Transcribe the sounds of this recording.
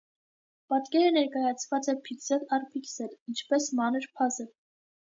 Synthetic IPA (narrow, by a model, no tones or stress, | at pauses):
pɑt̪kɛɾənɛɾkɑjɑt͡sʰvɑt͡sɛpʰiksɛlɑrpʰiksɛlint͡ʃʰpɛsmɑnəɾpʰɑzɛ